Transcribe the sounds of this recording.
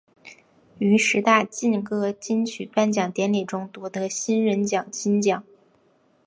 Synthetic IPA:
y˧˥ʂɻ̩˧˥t̪a˥˧t͡ɕi˥˧nkɤ˥t͡ɕi˥nt͡ɕʰy˨˩pa˥˩nt͡ɕjɑ˨˩ŋt̪jɛ˧˥nli˨˩ʈ͡ʂʊ˥ŋt̪u˧˥t̪ɤ˧˥ɕi˥nɻə˧˥nt͡ɕjɑ˨˩ŋt͡ɕi˥nt͡ɕjɑ˨˩˦ŋ

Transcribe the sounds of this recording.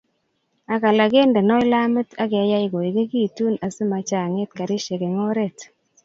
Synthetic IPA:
a˨ka˨la˨ɡe˦ndɛ˨nɔ˦ɪ˦la˦mɪ˦ta˦kɛ˨˦ja˦ɪ˦ɡo˨i˨ɡe˦ɡi˦˨tu˦na˨sɪ˦ma˨t͡ʃa˨ŋe˦t̚ka˨ɾɪ˦ʃe˨ke˨ŋo˦ɾe˦˨t

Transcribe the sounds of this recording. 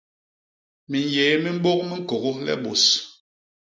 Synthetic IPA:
mi˨n˨jeː˨˦mi˦m̩˦ɓo˦k̚mi˦ŋ̩˦ko˨ɣo˦lɛ̰˦ɓo˨s

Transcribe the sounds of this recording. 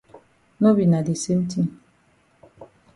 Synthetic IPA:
no˦bi˨na˨de˨se˦m̩˦ti˦n˨

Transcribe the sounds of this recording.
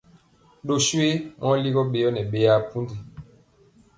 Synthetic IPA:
ɗo˨swe˦mɔ˦li˦ɣɔ˦ɓe˨jɔ˦nɛ˨ɓe˨ja˨pu˦ndi˨

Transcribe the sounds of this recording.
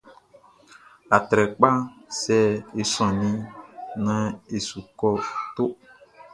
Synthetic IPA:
a˨t̪ɾɛ˨k͡pa˦sɛ˦e˨sɔ̃˨nĩ˦nã˦e˨su˨kɔ˦t̪o˦

